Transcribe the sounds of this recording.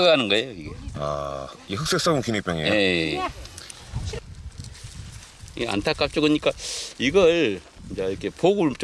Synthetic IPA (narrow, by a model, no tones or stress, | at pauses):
ɡaanɯnɡʌe̞joiɡe̞a̰ihɯk̚s͈ek̚s͈aɡunkʰinip͈ʲjʌŋejoe | ea̰ntʰak͈ak̚t͡ɕ͈oɡɯɲik͈aiɡʌɾ | d͡ʑaiɾʌkʰe̞pʰoɡuɭt͡ɕ